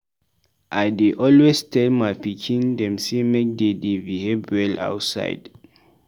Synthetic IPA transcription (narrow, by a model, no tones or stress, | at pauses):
ʔajdeʔɔlwestʰɛlmajpikʰĩndɛ̃msemek̚dedevihebɛla̰wtsa̰ɪd̥